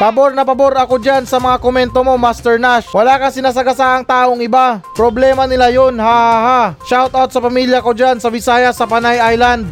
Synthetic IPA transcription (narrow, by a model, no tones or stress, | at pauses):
pɐboɾnɐpɐboɾɐko̞d͡ʒansɐmɐŋakomɛnt̪o̞mo̞mast̪ɛɹnaʃwɐlakɐsɪnas̬ɐɡɐsaʔɐŋt̪aːʔo̞ŋɪbapɾoblɛːmɐnɪlajonhahaɦaʃawt̪awt̪̚sɐpɐmiljɐko̞d͡ʒansɐbɪsaːjɐsɐpɐnajajland̪̚